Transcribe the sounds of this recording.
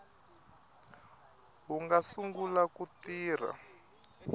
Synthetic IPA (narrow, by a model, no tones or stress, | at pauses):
ɦuŋɡasuŋɡulakutiːr̤a̰